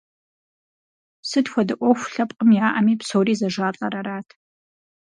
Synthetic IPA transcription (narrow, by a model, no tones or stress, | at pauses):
sɨdxʷɔdɨʔʷʼɔxʷʊɬɐpʼqʼəmjaːʔɐmiːpsowriːzɐʒaːɬʼɐɾɐɾaːtʰ